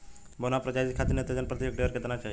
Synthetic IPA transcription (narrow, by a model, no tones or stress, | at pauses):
bonapɾət͡ʃad͡ʒit̪kʰat̪inet̪əd͡ʒənpɾət̪ijək̚ɖeəɾket̪nat͡ʃaːɦi